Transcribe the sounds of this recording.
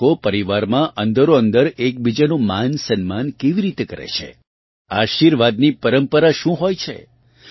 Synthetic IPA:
opəɾiʋaɾmãʔənd̪əɾoənd̪əɾek̚bid͡ʒanũmansənmankeʋiɾit̪ekəɾḛt͡ʃʰḛ | aʃiɾʋad̪nipəɾəmpəɾaʃũɦojt͡ʃʰḛ

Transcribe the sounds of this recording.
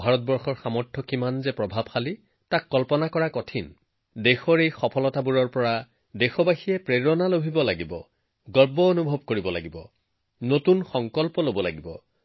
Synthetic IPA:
bʱaɹɔtbɔɹxɔɹxamɔɹtʰːɔkimanzɛpɹɔbʱabxali | takːɔlpɔnakɔɹakɔtʰin | dexɔɹejxɔpʰɔlɔtabuɹɔɹpɔɹa | dexɔbaxijɛpɹeɹɔnalobʱibɔlaɡibɔ̰ | ɡɔɹbɔonubʱɔb̚koɹibɔla̰ɡibɔ̰ | notunxɔŋkɔlpɔlobɔla̰ɡibɔ̰

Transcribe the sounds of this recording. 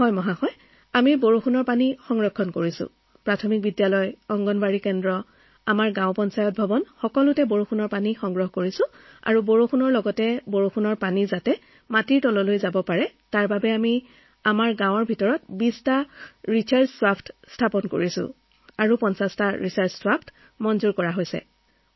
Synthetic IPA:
hɔjmɔɦaxɔj | amiboɹuxunɔɹpanixɔŋɹɔkʰːɔnkoɹisʊ̰ | pɹatʰɔmik̚bidjalɔjɔŋɡɔnbaɹikɛndɹɔ | amaɹɡãʊpɔnsajɔt̚bʱɔbɔnxɔkɔlʊtɛboɹuxʰunɔɹpanixɔŋɡɹɔɦɔkoɹisʊ̃ | a̰ɹuboɹuxunɔɹlɔɡɔtɛboɹuxʰunɔɹpanizatɛ | matiɹtɔlɔlojzabɔpaɹɛtaɹbabɛami | amaɹɡãw̃ɔɹbʱitɔɹɔt̚bistaɹitʰaɹsswapʰtstʰapɔnko̰ɹisʊ̰̃ | aɹupɔnsastaɹisaɹsswapʰt | mɔnzuɹkɔɹaɦojsɛ̰

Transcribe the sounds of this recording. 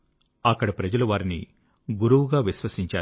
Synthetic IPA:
ɐkːɐɽɐpɾɐd͡ʒɐluʋaːɾinḭ | ɡuɾuʋuɡaːʋiʃʋɐsiɲt͡ʃaː

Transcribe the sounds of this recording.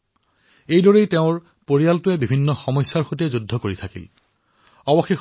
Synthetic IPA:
ejdɔɹejteʊ̃ɹ | poɹijaltʊɛbibʱinːɔxɔmɔjsːaɹxot̬ɛzudʱːɔkoɹitʰakḭl | ɔwɔxix

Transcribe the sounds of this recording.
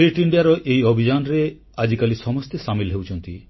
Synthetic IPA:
ɾiʈiɳɖiaɾɔʔejobʱid͡ʒanɔɾe | ad͡ʒikalisɔmɔst̪esamilɦewt͡ʃʰɔnt̪i

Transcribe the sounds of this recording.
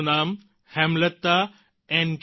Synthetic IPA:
naːm | hɛmlət̪ːa | ɛ̃ːnɡ

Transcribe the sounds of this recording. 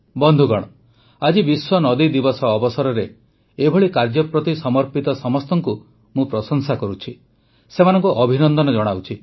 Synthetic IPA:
bɔnd̪ʱuɡɔɽ̃ɔ | ad͡ʒibiswɔnɔd̪id̪ibɔsɔːbɔsɔɾɔɾe | ebʱɔɭikaɾd͡ʒɔpɾɔt̪isɔmɔɾpit̪ɔsɔmɔst̪ɔŋku | mũpɾɔsɔŋsakɔɾut͡ʃʰi | semanɔŋkuʔɔbʱinɔnd̪ɔnɔd͡ʒɔɽ̃awt͡ʃʰi

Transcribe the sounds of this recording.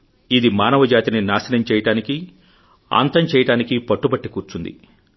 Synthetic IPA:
id̪imaːnɐʋɐd͡ʒaːt̪ininaːsɐnɐmt͡ʃɛːjɐʈaːniki | a̰ːnt̪ɐɲt͡ʃɛːjɐʈaːnikipɐʈːubɐʈːikuːɾt͡ʃund̪ḭ

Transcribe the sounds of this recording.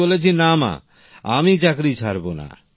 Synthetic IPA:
olet͡ɕʰinama̰ | a̰mit͡ɕakɾit͡ɕʰaɾbona̰

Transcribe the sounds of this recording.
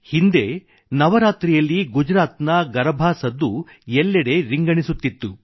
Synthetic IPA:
hind̪e̞ | nɐʋɐɾaːt̪ɾijɐlːiɡud͡ʒɾaːt̪nɐɡɐɾɐbʱaːsɐd̪ːu | jɛlːɐɽe̞ɾiŋɡɐɳisut̪ːit̪ːu

